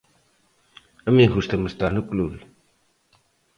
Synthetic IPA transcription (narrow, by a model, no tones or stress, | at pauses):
əmiɦust̪ʰɐməst̪anuklul